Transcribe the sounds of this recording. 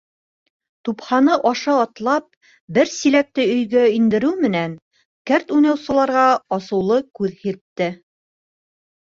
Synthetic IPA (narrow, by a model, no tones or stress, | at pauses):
t̪uphɑnɤʔɑʃɑːt̪lˠɑp̚ | bɘɾsilæk̚t̪ɘɵ̆jɡæind̪ɘ̆ɾɘwmɘ̆næn | kæɾt̪ujnɑwsɤ̆lˠɑɾʁɑɑsɤ̆wlˠɤkʉðhiɾt̪ːɘ